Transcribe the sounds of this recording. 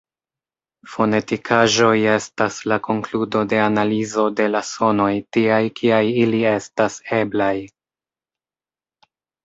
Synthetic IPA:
fo̞ne̞tikʰaʒo̞je̞staslako̞ŋkludo̞de̞analizo̞de̞laso̞no̞jtiajkʰiajilie̞stase̞blaj

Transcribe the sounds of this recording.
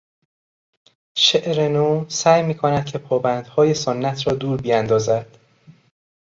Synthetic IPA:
ʃeʔɾenoːsæːjmiːkʰonæd̪̥̚cʰe̞pʰɒːbænd̪̥hɒːje̞sonːæt̪ʰɾɒːd̪uːɾbijænd̪ɒːzæd̪̥

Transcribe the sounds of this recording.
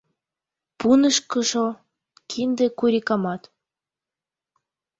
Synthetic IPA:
punəʃkə̆ʃo | kʰind̪ekuɾʲikɑmɑt̪

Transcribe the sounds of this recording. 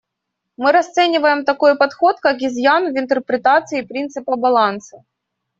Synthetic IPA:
mɨɾɐst̪sɛnʲɪvəjɪmt̪ɐko̞jpɐt̪xo̞t̪kakɪzʲjanʊvɪnt̪ərpɾʲɪt̪at̪sɨɪpɾʲint̪sɨpəbɐlˠansə̥

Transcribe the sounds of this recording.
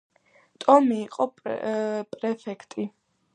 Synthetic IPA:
t̪ʼɔmiːqʼɔ | pʼɾɛfɛkʰt̪ʼi

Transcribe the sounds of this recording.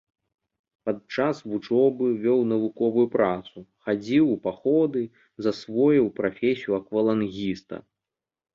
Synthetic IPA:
pad̪̚t͡ʂasvut͡ʂɔbɨvʲɔwnɐvukɔvujupɾat̪suxad͡zʲiwpaxɔd̪ɨ | zɐsvɔjwpɾafʲesʲijuɐkvɐlˠanɣʲist̪ɐ̰

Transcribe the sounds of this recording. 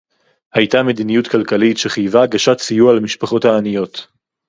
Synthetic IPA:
hajtame̞d̪inijutkalkalitʃeχajvaɡaʃatsijualamiʃpaχo̞thaːnijo̞t̪

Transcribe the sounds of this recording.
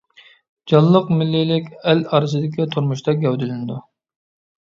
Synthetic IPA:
d͡ʒɑlˠːəqmɪlːɪlɪkʲɛlɑɾɨsɨd̪ɪkʲit̪ʰuɾmuʃt̪ɑɡʲɛwd̪ɪlɪnɪd̪u

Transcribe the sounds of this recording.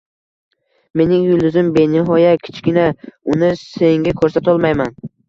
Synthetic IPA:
me̞nɪŋjʊlˠd̪ʊzɪmbe̞nɪɦɒjakʲʰɪ̥t͡ʃkʲɪnaʊnɪse̞ŋɡʲakʰɵɾsat̪ɒlˠmajman

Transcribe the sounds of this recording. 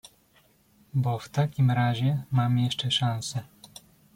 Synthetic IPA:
bɔft̪akʲimɾaʑɛmamjɛʂt͡ʂɛʂansɛ

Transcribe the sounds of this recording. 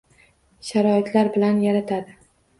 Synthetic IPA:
ʃaɾɒɪt̪ʰlaɾbɪlanjaɾat̪ʰad̪ɪ

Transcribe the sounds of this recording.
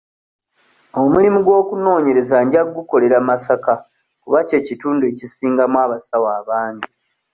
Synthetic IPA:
o̞mulimuɡwo̞ːkuno̞ːɲe̞ɾe̞zaɲɟaɡːuko̞le̞ɾamasaka | kuβace̞ːcituːndue̞cisiːŋɡamwaːβasawaːβaːɲɟi

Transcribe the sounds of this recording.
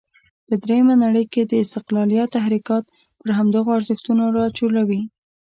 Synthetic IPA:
pəd̪ɾejəmanaɽəjked̪əɪst̪ɪqlɑlijat̪ːaɦɾikɑt̪̚ | pəɾɦamd̪əɣoaɾzəxt̪unoɾɑt͡ʃolawi

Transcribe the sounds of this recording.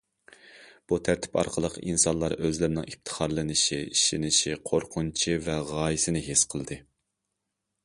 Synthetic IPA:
b̥ut̪ʰæɾt̪ʰɪ̥pɑ̰ɾqʰəlˠəqḭnsɑnlˠɑɾøzlɪɾɪnɪ̰ŋip̚t̪ʰə̥χɑɾlˠɨnɨʃiiʃinɪʃiqʰoɾqʰʊnt͡ʃʰivɛʁɑːjisɪnɪɦesqʰəlˠd̪ɨ

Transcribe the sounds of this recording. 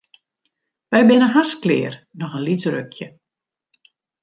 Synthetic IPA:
ʋɛjbɪnəɦasklɪ̰ːrnɔxənlisrø̰kʰjə

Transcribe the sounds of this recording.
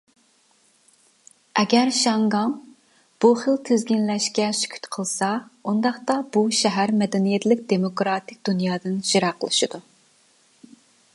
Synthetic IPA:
ɛɡʲæɾʃɑŋɡɑŋ | b̥uχəlt̪ʰezɡʲinlɛʃkʲɛʃy̥kʲʰy̥t̪qʰəlˠsɑund̪ɑχt̪ɑb̥uʃɛɦæɾmɛd̪ɛnijɛt̪lɪk̚ʲd̪emokɾɑt̪ʰɪk̚ʲd̪̥unjɑːd̪ɨnʒ̥iɾɑqʰəlˠɨʃɨd̪̥u

